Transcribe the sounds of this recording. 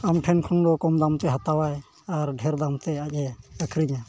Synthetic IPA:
amʈʰɛnkʰɔnd̪ɔkɔmd̪amt̪ɛɦat̪awaj | aɾɖʱɛɾd̪amt̪ɛac̚ˀɛəkʰɾiɲa

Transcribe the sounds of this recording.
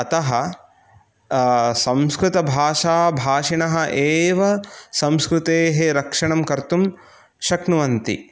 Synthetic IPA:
ɐt̪ɐɦɐ̆ | sɐ̃mskɾut̪ɐbʱaːʂaːbʱaːʃiɳɐɦɐ̆ʔeːʋɐsɐ̃mskɾut̪eːɦeɾɐkʂɐɳɐmkɐɾt̪um | ʃɐknuʋɐnt̪ḭ

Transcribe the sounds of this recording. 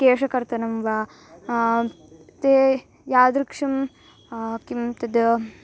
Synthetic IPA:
keːʂɐkɐɾt̪ɐnɐmʋaː | t̪e | jaːd̪ɾukʂɐm | kimt̪ɐd̪

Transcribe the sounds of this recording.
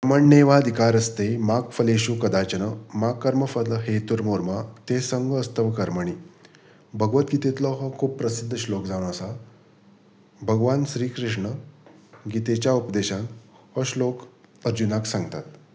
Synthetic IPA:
əməɳneʋad̪ʱikaɾəst̪emakfəleɕuːkəd̪at͡ɕənəmakːəɾməfəd̪ləɦet̪uɾmoɾmat̪esəŋɡʱəst̪əʋkəɾməɳ̃iː | bʱəɡʋət̪ɡit̪et̪lɔɦɔkʰuːppːɾəsid̪ʱːəɕlokd͡zaʋɽ̃asa | bʱəɡʋanɕɾiːkɾiʂɳə | ɡit̪et͡ɕjaupd̪eɕãŋk | ɦɔɕlokəɾd͡ʑunaksãŋɡt̪a̰t̪

